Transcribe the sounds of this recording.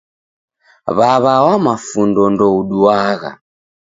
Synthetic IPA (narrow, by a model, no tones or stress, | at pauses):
βaβawamafundɔndɔuɗuwaɣa̰